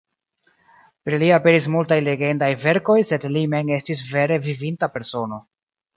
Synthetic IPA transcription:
pɾiliape̞ɾis̬multajle̞ɡe̞ndajve̞ɾko̞jse̞dlime̞ŋe̞stis̬ve̞ɾe̞vivintape̞ɾso̞no̞

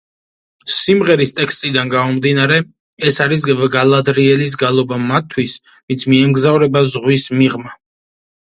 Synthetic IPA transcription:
simʁɛɾist̪ʼɛkst̪ʼid̪anɡaɔmd̪inaɾɛ | ɛsaɾis̬ɡalˠad̪ɾiɛlis̬ɡalˠɔbamat̪ʰːwis | vint̪sʰmiɛmɡzavɾɛbazʁwismiʁma

